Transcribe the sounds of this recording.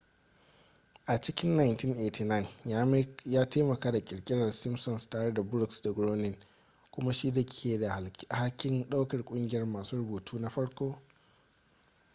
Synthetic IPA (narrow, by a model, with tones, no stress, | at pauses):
ʔa˨t͡ʃɪ˦kʲɪ˦nːa˨jntɪ˦nʔeː˨tʰi˨na˦˨n˦ | jaː˦tʰeː˦mɐ˨kaː˦da˨kʲʼɪ˨ɽkʲʼɪ˦ɽɐ˨rsɪ˦msɔ˨nstaː˨ɽe˦da˨bʊ˦ɾʊ˦˨ksda˨ɡɾoː˦nɪ˦˨n | kʷʊ˦ma˦ʃi˦da˨kʲʰeː˨da˨ha˦kʲːɪ˦nɗa˦wkɐ˨rkʷʼʊ˦ŋɡʲɪ˨jɐ˦rmaː˨suː˦ɾʊ˦boː˨tuː˦na˦ɸɐ˦ɽkʷoː˦